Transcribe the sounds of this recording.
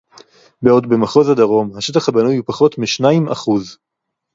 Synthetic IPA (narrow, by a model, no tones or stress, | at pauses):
beo̞dbemaχo̞zad̪aʁo̞mhaʃetaχhabanujupaχo̞tmiʃnaima̰χuz